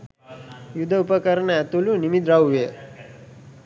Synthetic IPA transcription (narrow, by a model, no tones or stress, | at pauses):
jud̪ʱəupəkəɾnaat̪ulunimid̪ɾawʋe